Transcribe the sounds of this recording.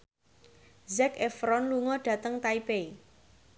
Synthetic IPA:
zɛkefɾɔnluŋɔɖ̥a̤t̪əŋt̪aipei

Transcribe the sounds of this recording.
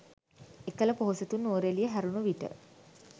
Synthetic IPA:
ekələpoɦoset̪unːoːɾelijəɦæɾunuʋiʈə̰

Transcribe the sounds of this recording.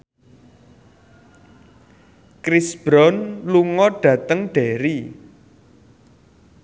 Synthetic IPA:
kɾisb̥ɾɔnluŋɔɖ̥ä̤t̪əŋɖ̥eɾi

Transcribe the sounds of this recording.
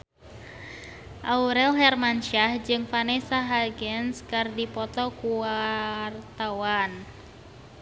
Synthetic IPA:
ʔauɾɛlɦɛrmanʃahd͡ʒɨŋfanesaɦaɡɛnskardipɔt̪ɔkuwart̪awan

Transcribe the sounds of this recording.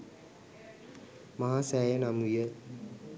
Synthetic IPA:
maɦaːsæːjənamujə

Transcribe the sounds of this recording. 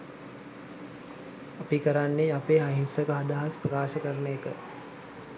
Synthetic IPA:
apikəɾanːeapeːɦaɦinsəkəɦad̪aɦasprəkaːʃəkəɾnejəkə

